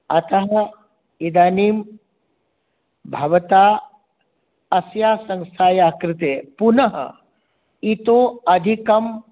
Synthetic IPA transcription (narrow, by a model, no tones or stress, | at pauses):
ɐt̪ɐɦɐ | id̪aːniːm | bʱɐʋɐt̪aː | ɐsjaːsɐŋst̪ʰaːjaːkɾɪt̪eːpunɐɦɐ̰ | it̪oːɐd̪ʱikɐm